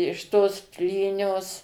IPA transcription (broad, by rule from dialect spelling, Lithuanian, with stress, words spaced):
ɪʃ toːs ˈpʲlʲiːnʲoːs